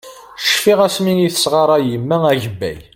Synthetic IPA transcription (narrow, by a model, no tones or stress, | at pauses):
ʃfiʁæsminiθə̥sʁɑɾˤɑjəmːææʝəbːæ̰j